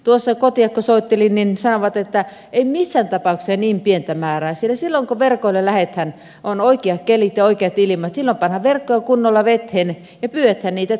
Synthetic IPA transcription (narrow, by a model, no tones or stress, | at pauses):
t̪uosːɑkot̪iɑkkosoit̪ːelinninsɑnoʋɑt̪et̪ːæ | eimisːænt̪ɑpɑuksɑniːmpient̪æmæːræːsielæsilːoŋkoʋerkoilelæhet̪hæn | ʔonoikiɑkkelit̪jɑoikeɑt̪ilimɑt̪silːompɑnhɑʋʋerkːojɑkunːolːɑʋet̪hen | jɑpyːʋæt̪hænniːt̪æ